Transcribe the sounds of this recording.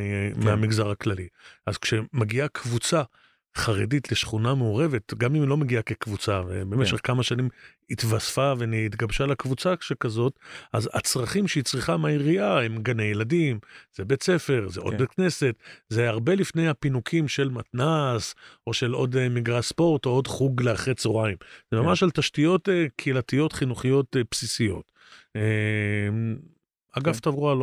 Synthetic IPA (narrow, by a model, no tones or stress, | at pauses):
meamiɡzaʁhaklaliʔazkʃe̞maɡiakʰvut͡sa | χaʁe̞̰ditle̞ʃχunameoʁe̞ve̞tɡamimlo̞meɡiake̞kvut͡savḛbemeʃeχkamaʃanim | it̪vasfaveniit̪ɡabʃalakvut͡saʃekazo̞taza̰t͡sʁaχimʃeit͡sʁiχamaiʁiaemɡanejeladimz̥ebe̞t͡se̞fe̞ʁzḛʔo̞ddbekne̞se̞t̪zeaʁbe̞lifne̞jhapinukʰimʃe̞lmat̪naso̞ʃe̞lo̞d̪miɡʁaspo̞ʁt̪o̞odχuɡleaχʁet͡soʁaimz̥emamaʃalt̪aʃtijo̞tekʰːlatijo̞tχinuχijo̞tepsisijo̞̰t | e | aɡaft̪avʁualo